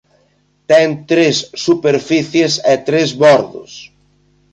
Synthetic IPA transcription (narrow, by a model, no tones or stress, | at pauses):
t̪ɛŋt̪ɾesːupeɾfiθjesɛt̪ɾezβɔɾðʊ̰s